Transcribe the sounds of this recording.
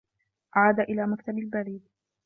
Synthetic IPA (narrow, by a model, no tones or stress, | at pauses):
ʔaʕaːd̪aʔɪlaːmakt̪abalbaɾiːd̪